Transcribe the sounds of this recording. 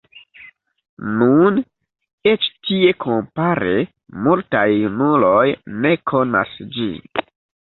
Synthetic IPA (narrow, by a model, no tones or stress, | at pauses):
nun | et͡ʃtie̞kʰompaɾe̞ | multajunulo̞jne̞kʰo̞na̰sd͡ʒḭ